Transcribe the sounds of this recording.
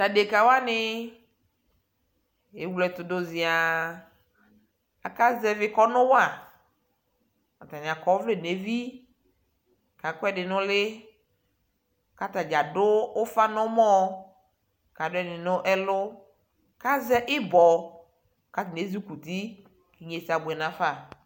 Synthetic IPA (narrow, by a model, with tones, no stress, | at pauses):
ta˨de˨ka˨wa˦nɪ˨ | e˨˦wlɔ˨t̪ʊ˨dʊ˦zɪ˨a˨ | a˨ka˦zɛ˨vɪ˦kɔ˦nʊ̃˦wa˨ | a˨t̪a˨nɪ̃˨a˨kɔ˨˦vle˦˨ne˨˦vi˦˨ | ka˨kʊ˦ɛ˦dɪ˨nʊ̃˦lɪ˦ | ka˦t̪a˨d͡ʒa˨dʊ˦ʊ˦fa˦nɔ̃˦mɔ˦˨ | ka˨dʊ˦ɛ˦nɪ˨nʊ̃˦ʔɛ˦lʊ˦ | ka˦zɛ˦ʔɪ˦bɔ˨ | ka˦tne˨˦zi˦ku˨t̪i˦ | ki˨ɲe˨si˨a˨bʊ˨ɛ˨nã˨fa˦˨